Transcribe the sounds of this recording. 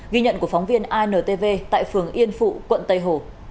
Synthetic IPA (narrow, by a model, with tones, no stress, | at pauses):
ɣi˧ɲə̰˧˨nku˧˩əfa˨˦wŋ͡mvi˧ənʔaː˧jnəː˨˩t̪e˧ve˧t̪a̰ː˧˨jfɨ˨˩əŋʔi˧ənfṵ˧˨kwə̰˧˨nt̪ə˧˩jɦo˨˩